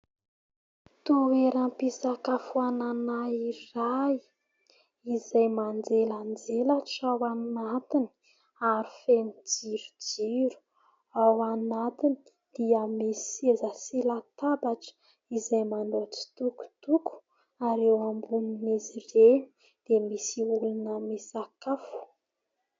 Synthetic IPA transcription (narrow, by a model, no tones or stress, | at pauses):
t̪uweɾampisakafuananairaj | izajmand͡zeland͡zelaʈ͡ʂawanat̪ini | aɾi̥fenid͡ziɾud͡ʒiɾu̥ | awanat̪ini̥ | d̪̥iamesezaselat̪abaʈ͡ʂə̥ | izajmand̪oʈ͡ʂi̥t̪uku̥t̪uku̥ | aɾewambuninezireni | d̪̥emisiulunəmesakafu̥